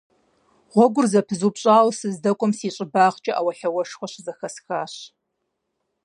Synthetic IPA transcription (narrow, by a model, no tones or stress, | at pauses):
ʁʷɔɡʷʊrzɐpʰɨzuːpɕʼaːwsɨzdɐkʷʼɔmsiːɕʼɪbaːʁt͡ʃʼɐʔawɐɬɐwɐʃxʷɔɕzɐxɐsxaːɕ